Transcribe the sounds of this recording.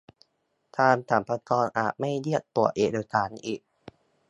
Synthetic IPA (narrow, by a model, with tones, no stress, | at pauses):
t̪ʰaː˧mt̪ʰaː˩˦mpʰa˧kɔː˧nʔa̰ː˨˩t̪̚ma˥˩jli˥˩ət̪ːu˨˩əʔeː˨˩doː˧jt̪ʰaː˩˦nʔiː˨˩k̚